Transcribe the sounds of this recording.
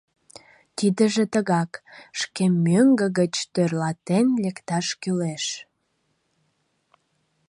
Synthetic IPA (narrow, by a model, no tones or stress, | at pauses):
t̪id̪əʒet̪əɣɑkʃkemøŋɡəɣət͡ɕt̪ørlɑt̪enlekt̪ɑʃkyleʃ